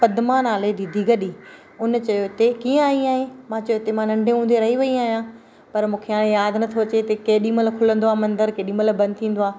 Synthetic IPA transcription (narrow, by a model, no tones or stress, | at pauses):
pɐd̪maːnaːled̪id̪ʱiɡəɗiː | ʊnt͡ɕɐjot̪ekiːə̃aːĩaːɦẽmãt͡ɕɐjot̪emãnɐ̃ɳɖʱẽɦũːn̆d̪eɾɐɦiʋɐiaːɦijã | pɐɾmũːkʰeaːɽ̃ẽjaːd̪nɐt̪ʰoɐt͡ɕet̪ɐkeːɗĩːməlkʰʊlə̃nd̪oaːmɐ̃nd̪əɾkeːɗĩːməlbɐ̃nd̪̚t̪ʰĩːn̆d̪oaː